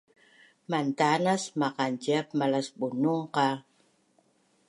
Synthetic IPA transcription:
mant̪anasmaqand͡ʒap̚malasbunuŋqa

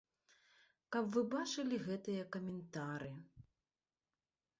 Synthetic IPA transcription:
kapvɨbat͡ʂɨlʲiɣɛt̪ɨjɐkɐmʲɛnt̪aɾɨ

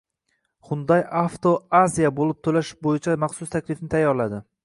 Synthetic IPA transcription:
hʊnd̪ajaft̪ʰoazʲijabolˠɪp̚t̪ʰɵlaʃɪ̥bojɪt͡ʃʰamaχsʊst̪ʰakʲlɪfnɪt̪ʰajːɒɾlad̪ɪ

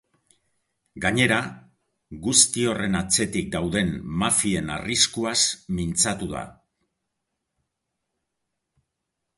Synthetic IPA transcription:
ɡaɲe̞ɾa | ɣust̪io̞re̞nat͡se̞t̪ik̚d̪awðe̞nːafie̞na̰riskuasmint͡sat̪uða̰

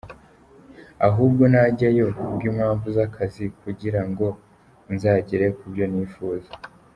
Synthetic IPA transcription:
aɦuːb̚ɡo̞naɟajo̞bɡiːmhaːɱvuzakʰazikuɟiɾaŋɡo̞ | nzaːɟeɾe̞kubɟo̞niːfuːze

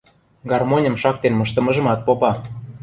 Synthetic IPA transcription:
ɡɑrmonʲə̆mʃɑk̚t̪enmɤʃt̪ə̆mə̆ʒə̆mɑt̪̚popɑ

